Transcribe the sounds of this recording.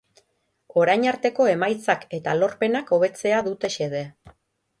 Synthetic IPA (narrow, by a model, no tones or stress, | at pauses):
o̞ɾajɲaɾt̪e̞ko̞e̞majt͡sake̞t̪alo̞ɾpe̞nako̞β̞e̞t͡se̞aðut̪e̞ʃe̞ð̞e̞